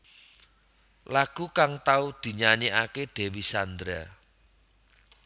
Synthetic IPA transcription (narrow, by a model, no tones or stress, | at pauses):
laɡ̥ṳkaŋt̪aud̪̥i̤ɲaɲiʔaked̪̥e̤wisand̪ɾa̰